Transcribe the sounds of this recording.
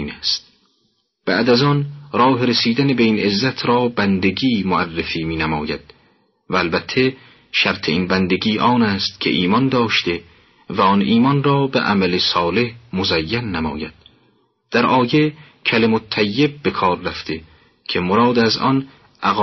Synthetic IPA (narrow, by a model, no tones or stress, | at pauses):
iːnæst̪̚ | b̥æ̰ʔd̪æzɒnɾɒːɦeɾesiːd̪ænebeiːnezːæt̪ʰɾɒːbænd̪eɡiːmoʔærːefiːmiːnæmɒ̰ːjæd̪̥ | væːlbæt̪ʰːe̞ | ʃæɾt̪ʰe̞iːnbænd̪eɡiːʔɒːnæːst̪kʰe̞̰ʔiːmɒnd̪ɒːʃt̪e | væɒnʔiːmɒnɾɒːbḛʔæ̰mælesɒːle̞hmozæjːænːæmɒ̰ːjæd̪̥̚ | d̪̥æɾʔɒːje | kʰælemot̪ʰːæjːeb̚ːe̞kʰɒːɾːæft̪e̞ | kʰe̞moɾɒːd̪æzɒ̰n | ʔæɣ